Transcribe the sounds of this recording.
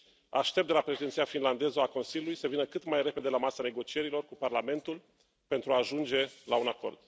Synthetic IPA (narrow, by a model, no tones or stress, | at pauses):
a̰ʃt̪e̞p̚d̪e̞lapɾeʃed̪ent̪sijafinland̪e̞zəako̞nsiljulujsəvinəkɨt̪majre̞pe̞d̪e̞lamasane̞ɡo̞t͡ʃie̞ɾilo̞rkuparlame̞nt̪ul | pe̞nt̪ɾuaːʒund͡ʒe̞launako̞̰rd̪̥̚